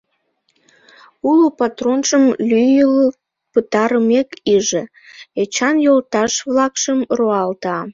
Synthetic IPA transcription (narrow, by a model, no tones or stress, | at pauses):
ulupɑt̪ronʃəmlyjələ | pət̪ɑɾəmekiʒe | et͡ɕɑnjolt̪ɑʃβlɑkʃəmroɑlt̪ɑ